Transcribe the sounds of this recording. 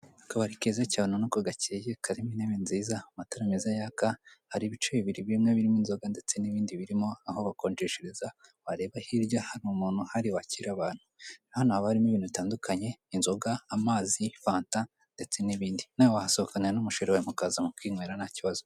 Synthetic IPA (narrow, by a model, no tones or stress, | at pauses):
akaβaɾikezecaːnonokoɡacejekaɾimineβenziːzamataɾamezajaːkahaɾiβit͡ʃeβiβiɾiβiimŋeβiɾimoinzo̞ɡande̞t͡se̞niβiːndiβiɾimo̞ahoβakoːnd͡ʒeʃeɾezawaɾe̞βahiɾɟahaɾimumuːn̥huhaɾiwaciɾaβaːn̥huahanuhaβahaɾimoβiːnuβitaːndukʰaɲe̞ːnzo̞ɡaːmaːzifaːnta | nde̞t͡se̞niβiːndinawowahasookaneɾanumuʃoɾewamukaːzamukwiːŋweːɾanaciβazo